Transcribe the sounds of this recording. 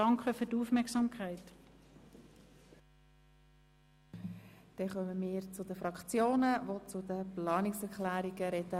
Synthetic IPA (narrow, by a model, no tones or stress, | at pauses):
ɑŋkʰəfyːduːfmɛksɑːmkʰaɪt | d̪̥ɛχœməmɪːɾt͡sʊdəfɾɑkt͡sjoːnəvot͡sʊd̪əplɑːnɪksɛɾklæːɾiɡəɾɛdə